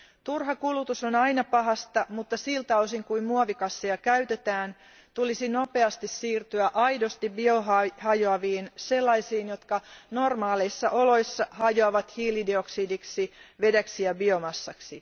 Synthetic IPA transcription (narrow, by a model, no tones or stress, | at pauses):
t̪urɦɑkulut̪usonɑinɑpɑɦɑst̪ɑmut̪ːɑsilt̪ɑosiŋkuimmuoʋikɑsːiɑkæyt̪et̪æːn | t̪ulisinope̞ɑst̪issiːrt̪yæʔɑjdost̪ibioɦɑhɑjoɑʋiːnse̞lːɑisiːnjot̪kɑnormɑːleisːɑʔolo̞isːɑhɑjoɑʋɑt̪hiːlidioksiːdiksiʋe̞dæksijɑbiomɑsːɑksi